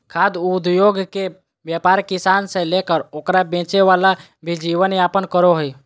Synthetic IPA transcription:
kʰad̪ud̪joɡke | bjapaːɾkisaːnsẽlekəɾoːkɾabẽːt͡ʃeʋala | bʱid͡ʒiʋənapənkəɾoɦoi

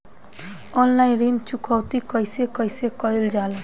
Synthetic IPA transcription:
ɔnlajnɾint͡ʃukawt̪ikʌjsekʌjsekʌjld͡ʒala

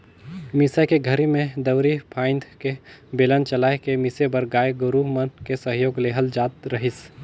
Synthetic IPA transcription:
mɪsajkeɡʱɐɾimẽd̪ɐʋɾipʰaːɪ̃nd̪ʱkebeːlənt͡ʃɐlaːekemɪsebɐɾɡaːeɡʊɾuɦmənkesəɦjoːɡleːɦəld͡ʒaːt̪ɾɐɦɪs

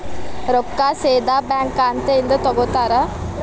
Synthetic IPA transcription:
ɾokːaːseːd̪aːbɛːŋkːaːnt̪eind̪ət̪ɔɡot̪aːɾa

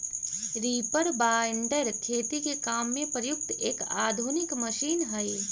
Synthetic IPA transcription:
ɾiːpəɾbaːɪɳɖəɾkʰeːt̪ikekaːmːẽpɾəjʊk̚t̪eːka̰ːd̪ʱʊnɪkmɐʃiːnɦɐe

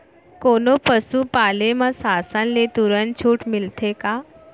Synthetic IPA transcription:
konopəsuːpalemasasãnlet̪uɾənt͡ɕʰuːʈmilt̪ʰeka

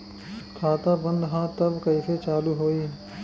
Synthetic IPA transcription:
kʰaːt̪abɐ̃nd̪ɦãt̪ɐbkɐiset͡ʃaːluɦoːi

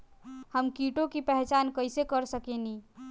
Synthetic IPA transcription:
həmkiʈõkipɛɦt͡ʃaːnkəɪsekəɾsəkeni

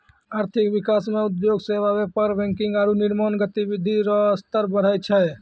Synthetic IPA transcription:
aɾt̪ʰikbikasmeud̪joɡseʋabepəɾbɛ̃ŋkiŋɡaɾuniɾmənɡət̪ibid̪ʱiɾɔst̪əɾbəɽ̤ajt͡ʃʰɛ

